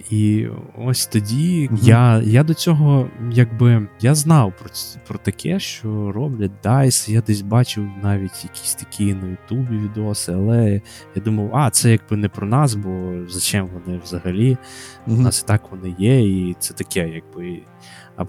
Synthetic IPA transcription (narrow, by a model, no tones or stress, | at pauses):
iɔsʲt̪ɔdʲijajad̪ɔt͡sʲɔɦɔjaɡbɪjaznɑwpɾɔpɾɔt̪ɐkʰɛʃt͡ʃɔɾɔblʲɐt̚ʲd̪ɑjsɪjad̪ɛsʲbɑt͡ʃɪwnɑʋʲitʲjɐkʲi̥sʲt̪ɐ̥kʲʰijnɐjʊt̪ubʲiʋʲid̪ɔsɪɐlˠɛ | jad̪umɐwɑt̪sɛjaɡ̚bɪnɛpɾɔnɑsbɔzɐt͡ʃɛmʋɔnɪwzɐɦɐlʲi | ɑsi̥t̪ɑkʋɔnɪjɛit̪sɛt̪ɐkɛjaɡ̚bɪ | ɐ̰